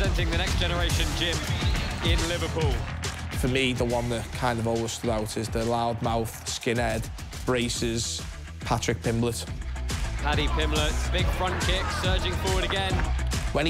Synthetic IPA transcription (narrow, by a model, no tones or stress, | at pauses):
ɛ̃ntɪ̃ŋðənɛksd̥ʒ̥ɛnəɹeɪʃə̃nd͡ʒɪ̃mɪ̃nlɪvəpʰuːlˠ | fəmiðəwʌ̃nðəʔkʰãɪ̃ndəvɔːlwə̥stʊdaʊtʰɪzðəlaʊd̚maʊθskɪ̃nɛd̥ | b̥ɹeɪsɪz̥ | pʰat͡ʃɹ̥ɪk̚pʰɪ̃mblət | hʰaɾipʰɪ̃mlətb̥ɪɡ̥fɹʌ̃nkʰɪksɜːd͡ʒɪ̃ŋfɔːwəɾəɡɛ̃nwə̃n